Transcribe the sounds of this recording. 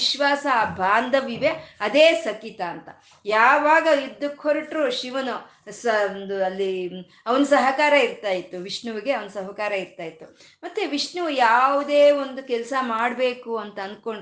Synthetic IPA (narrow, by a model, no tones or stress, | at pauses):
ʃʋaːsɐːbʱaːnd̪ʱɐʋiʋeɐd̪eːsɐkit̪aːnt̪ɐ | jaːʋaːɡɐid̪ːukʰːoɾiʈɾuʃiʋɐnu | sɐnd̪uɐlːi | ɐʋɐnusɐɦɐkaːɾɐiɾt̪aːjit̪ːuʋiʂɳuʋiɡe̞ɐʋɐnɐsɐɦɐkaːɾɐiɾt̪aːjit̪ːu | mɐt̪ːeʋiʂɳuʋujaːʋud̪eːond̪ukɛlsɐmaːɽbe̞ːkuɐnt̪ɐɐnd̪̚ko̞ɳɖ